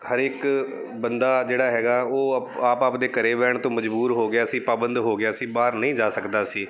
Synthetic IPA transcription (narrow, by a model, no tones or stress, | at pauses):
həɾɪk | bənd̪aːd͡ʒeːɽaːɦɛːɡaːoːaːpaːpd̪eːkəɾeːbɛːɳt̪õːməd͡ʒbuːɾɦoːɡɪaːsĩːpaːbənd̪ɦoːɡɪaːsĩːbaːɾnəɦĩːd͡ʒaːsəkd̪aːsiː